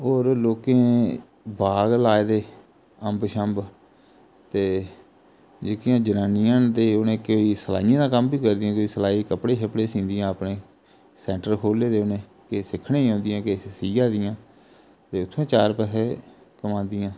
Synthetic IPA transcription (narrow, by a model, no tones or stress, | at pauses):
ɦoːɾloːkẽː | baːɡlaːeːd̪eː | əmbʃəmb | t̪eː | d͡ʒeːkɪjãːd͡ʒənaːnijãːnt̪eːʊnẽːkoiːsəla̰ːijãːd̪ãːkəmbiːkəɾd̪jãːkoiːsəlaːiːkəpɽeːʃəpɽeːsĩːnd̪ɪjãːpnẽː | sɛːɳʈəɾkʰoːleːd̪eːʊnẽː | kesɪkʰːnẽːɦːnd̪ɪjãːkeːsiːjãːd̪ɪjãː | t̪eːʊt̪ʰːõːt͡ʃaːɾpɛsʰeː | kəmãːnd̪ɪjãː